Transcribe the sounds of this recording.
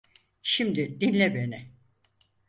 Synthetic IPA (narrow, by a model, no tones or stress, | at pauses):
ʃimd̪ɪd̪inlʲɛbenɪ